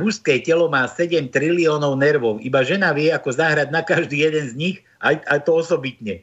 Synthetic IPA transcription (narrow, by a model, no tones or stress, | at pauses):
muʃskɛːcɛlɔmaːsɛɟɛmt̪ɾiliɔːnɔʊnɛɾʋɔʊʔibaʒɛnaʋɪɛakɔzaɦɾad̪nakaʒd̪iːjɛd̪ɛnzɲix | ʔajajt̪ɔɔsɔbit̪ɲɛ